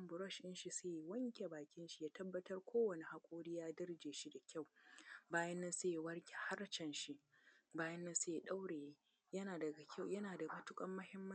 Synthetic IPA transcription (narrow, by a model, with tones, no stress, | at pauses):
ɐ˦mbʊ˨ɾɔ˦˨ʃʔɪ˦nʃi˨se˦ji˨wɐ˦ŋkʲʼe˨baː˨kʲɪ˦nʃi˦jaː˦tɐ˦bːɐ˦tɐ˦rkʷʰoː˦wɐ˨ni˨ha˦kʷʼoː˦ɽiː˦jaː˦dɐ˦rd͡ʒeː˨ʃi˦da˨kʲʰa˦˨wbaː˦jɐ˦nːɐ˦se˦ji˨wɐ˦rkʲe̥˨ha˦ɾt͡ʃɛ˨nʃi˦ʔbaː˦jɐ˦nːɐ˦nse˦ji˨ɗa˦wɽeː˨˦ | jɐ˦naː˨dɐ˨ɡa˨kʲʰa˦˨jɐ˦naː˨da˨bɐ˦tʊ˦kʼɐ˦mːɐ˦hɪ˦mːɐ˦